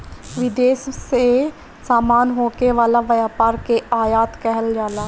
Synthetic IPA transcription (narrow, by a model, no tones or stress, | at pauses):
ʋɪd̪eːsse | saːmaːnɦoːkeʋaːlaʋɐjaːpaːɾkeaːjaːt̪kɛɦəld͡ʒaːlaː